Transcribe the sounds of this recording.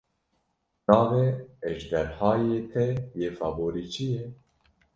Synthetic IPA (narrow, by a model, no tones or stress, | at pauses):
nɑːveeʒd̪ɛɾhɑːjet̪ʰejeːfɑːboːɾiːt͡ʃʰije